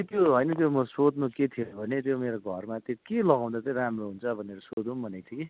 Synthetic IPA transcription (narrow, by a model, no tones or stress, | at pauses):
t̪joɦʌjnʌt̪̬jomʌsod̪noket̪ʰiobʱʌnet̪jomeɾoɡʱʌrmat̪jokelʌɡaw̃d̪at̪ʌɾamroɦunt͡sʰʌbʱʌneɾʌsod̪umbʱʌnet̪ʰjoke